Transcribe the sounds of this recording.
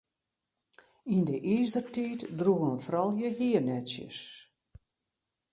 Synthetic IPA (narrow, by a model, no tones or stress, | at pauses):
indəʔisdərtiːtdruɣənfrɔlˠjəɦiənɛtsjə̰s